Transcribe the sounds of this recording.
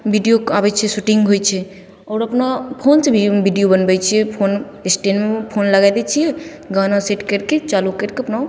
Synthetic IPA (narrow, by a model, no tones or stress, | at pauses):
bʱiɖijoaːbɛt͡ʃʰesuʈĩŋɡɦojt͡ʃʰe | ɔːɾɐpnapʰonsebibiɖijobənbajt͡ʃʰiepʰoːn | esʈenmepʰoːnlɐɡajd̪et͡ʃʰiɛ | ɡanaseʈkəɾket͡ʃaːlukəɾkeɐpna